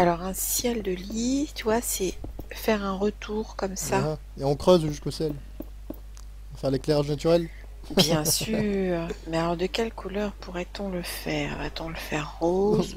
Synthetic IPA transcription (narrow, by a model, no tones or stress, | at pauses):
alɔʁɛ̃sjɛld̪əlit̪yvwasɛfɛʁɛ̃ʁət̪uʁkɔmsa | eɔ̃kχøzʒyskosjɛl | ɔ̃fɛʁlekleʁaʒnat̪yʁɛl | bjɛ̃syːʁmɛalɔʁd̪əkʲɛlkʰulœʁpuʁɛt̪ɔ̃ləfɛːʁvat̪ɔ̃ləfɛʁːoz